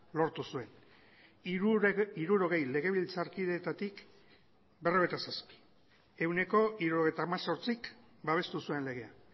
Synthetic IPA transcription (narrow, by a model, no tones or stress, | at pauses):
lo̞ɾt̪usue̞n | iɾuɾo̞ɣ̞e̞jle̞ɣ̞e̞β̞ilt͡saɾkiðe̞t̪at̪ik | be̞roβe̞t̪asaspi̥ | e̞wne̞ko̞iɾuo̞ɣe̞jt̪aːmaso̞ɾt͡sik | baβ̞e̞st̪usue̞nle̞ɣ̞e̞a